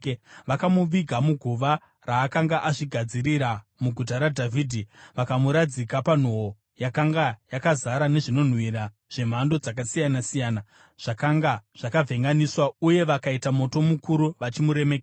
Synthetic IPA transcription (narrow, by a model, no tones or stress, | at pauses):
ʋakamuʋiɡʱamuɡʱuʋa | raːkaŋɡaʔaʐiɡʱad͡ziɾiɾa | muɡʱut̬aɾadʱaviːdʱiʋakamuɾad͡zikapan̤oɦo | jakaŋɡajakazaɾane̞ʐino̞n̤wiɾa | ʐ̥e̞m̤ando̞d͡zak̬asijanasijaːna | ʐ̥akaŋɡaʐ̥akavʱe̞ŋɡaniswauje̞ʋakaitamo̞to̞mukuɾuʋat͡ʃimuɾe̞mek